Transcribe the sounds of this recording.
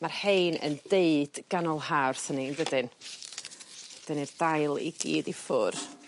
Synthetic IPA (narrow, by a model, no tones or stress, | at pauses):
marhejnə̰ndeɨd̥ɡ̥anɔlˠɦarθəninvədɪn | d̥ənird̥ajlˠḭɡḭːdifʊr